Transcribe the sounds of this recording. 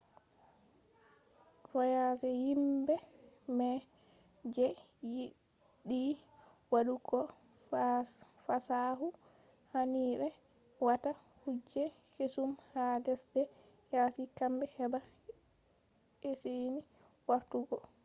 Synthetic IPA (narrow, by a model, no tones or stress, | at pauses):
fajasɛhimbɛmɛ | d͡ʒɛ | ji | ɗi | waɗuɡɔ | fasaɦu | haniːbɛ | wata | hud͡ʒːɛ | kesumhadɛsdɛ | jasikambɛhɛba | eseni | waɾtuɡɔ